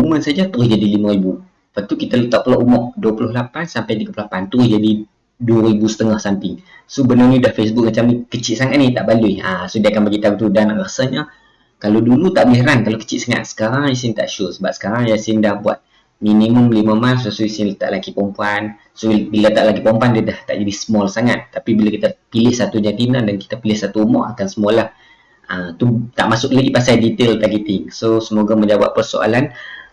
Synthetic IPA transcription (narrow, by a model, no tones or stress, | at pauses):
umənsad͡ʒat̪uɾʊhd͡ʒadilimə̃ɾibu | pat̪ukit̪alət̪aʔ̚pəloʔumɔʔ̚duəpulʊɦlapansampajt̪iɡəpllapant̪uɾʊhd͡ʒadi | duəɾibusə̥t̪əŋahsamt̪i | sobənʊnidahfes̬buk̚mət͡ʃamnikət͡ʃɪʔsaŋat̪̚niht̪aʔbaluiasodiakanbaɡit̪aɡut̪udanrəsəɲə | kalodulut̪aʔbiɾankalokə̥t͡ʃɪʔsaŋa̰t̪̚sə̥kaɾaŋjas̬ɪnt̪a̰ʔʃusəbap̚sə̥kaɾaŋjasɪndahbua̰t̪̚ | miniməmliməmalsasuisɪnlət̪a̰ʔlakipɔmpuan | sobilat̪aʔlakipɔmpuandədaht̪a̰ʔd͡ʒadisəmɔlsaŋat̪ːapibilakit̪əpilɪhsat̪uɲat̪inədanki̥t̪apilɪhsat̪uːmɔ̰ʔakansəmɔlah | ət̪ut̪a̰ʔmasʊk̚laɡipasajdit̪elt̪aɡit̪ɪŋsosəmoɡaməɲawa̰ʔ̚pərso̰ʔa̰lan